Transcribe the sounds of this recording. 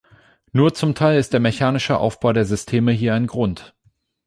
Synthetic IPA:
nuːɐt͡sʊmtʰaɪlɪst̚d̥eːɐmeçaːnɪʃəʔa̰ʊfb̥aʊdeːɐzʏstʰeːməɦiːɐaɪnɡʁʊnt

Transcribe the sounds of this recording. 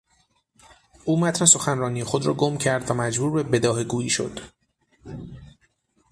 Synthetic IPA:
ʔuːmæt̪ʰneso̞xænrɒːnijexo̞d̪ɾɒːɡo̞mcʰæɾd̪væmæd͡ʒbuːɾbe̞be̞d̪ɒːɦeɡuːjiːʃo̞̰d̪̥

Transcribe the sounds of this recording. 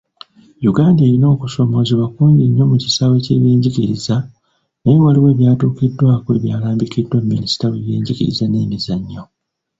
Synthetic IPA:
juɡaːndeːɾino̞ːkuso̞mo̞ːziβakuːɲɟiɲːo̞muci̥sawe̞ce̞̰ːβjeːɲɟiciɾiza | nejewaliwe̞ːβjaːtuːkidːwaːkwe̞̰ːβjaːlaːmbikidːwemːinisi̥taweβjeːɲɟicḭɾḭzane̞ːmizaɲːo̞

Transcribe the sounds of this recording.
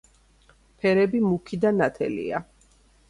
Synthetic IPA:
pʰɛɾɛbimukʰid̪anat̪ʰɛ̰lḭa

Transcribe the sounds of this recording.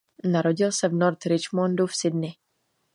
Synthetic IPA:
naɾo̞ɟɪlsɛvnoɾt̪ɾɪt͡ʃmondufsɪdnɪ

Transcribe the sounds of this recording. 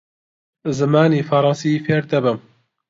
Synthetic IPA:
zɨmaːniːfɐɾˤɑnsiːfeːɾd̪ɛbɨm

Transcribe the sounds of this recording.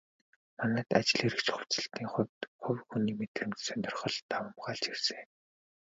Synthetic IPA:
manə̆ːt̪at͡ɕɪ̆ɮeɾɘ̆kt͡ɕχʊw̥ʲt͡sɘ̆ɬt̪iːŋχʊwʲt̪χʊwʲxuniːmet̪rɘ̆mt͡ɕ̪sœnʲt̪ʲɪ̆rχə̆ɮt̪awə̆mɢaːɮt͡ɕirsɘ̆ŋ

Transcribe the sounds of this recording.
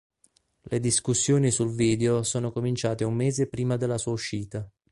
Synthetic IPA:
led̪iskusːjoːnisulviːd̪eosoːnokomint͡ʃaːt̪eumːeːzepɾiːmad̪elːasuːauʃːiːt̪a

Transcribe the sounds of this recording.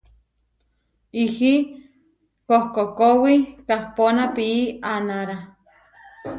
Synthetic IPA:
ihi | kohkokowikahponapiːanaɾa

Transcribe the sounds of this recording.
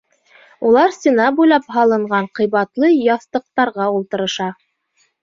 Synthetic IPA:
ulˠɑɾsʲt̪ʲinɑbujlˠɑpɦɑlˠɤ̆ɴɢɑɴqɤ̆jβɑt̪lˠɤjɑθt̪ɤ̆q̚t̪ɑɾʁɑulˠt̪ɤ̆ɾɤ̆ʃɑ

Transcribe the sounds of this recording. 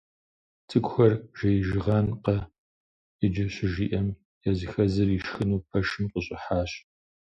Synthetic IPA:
tʰɨkʷʰxɐrʒ̥ɐjʒɪʁɑnqɐ | ɨd͡ʒɪɕɪʒiːʔɐm | jɛzɨxɐzɨriʃxɨnuːpʰɐʃɨmqəɕʼɪħaːɕ

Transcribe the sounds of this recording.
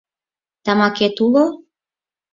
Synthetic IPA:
t̪amaket̪ulɔ

